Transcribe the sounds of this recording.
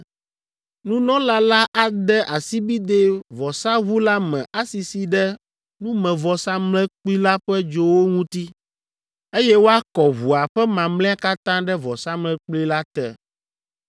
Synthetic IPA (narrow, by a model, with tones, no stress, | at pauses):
nũ˦nɔ̃˦la˦la˦ʔa˨d̪ɛ˦ʔa˨si˦bi˦d̪e˦vɔ˨sa˦βu˦la˦mɛ̃˨ʔa˦si˨si˨ɖɛ˦ | nũ˦mɛ̃˨vɔ˨sa˦mlɛ̃˦k͡pli˦la˦ɸɛ˦d͡ʒo˨wo˦ŋũ˦t̪i˦ | e˦jɛ˦wo˦a˦kɔ˨βu˨a˨ɸɛ˦mã˨mlɛ̃˦a˦ka˦t̪ã˦ɖɛ˦vɔ˨sa˦mlɛ̃˦k͡pli˦la˦t̪ɛ˨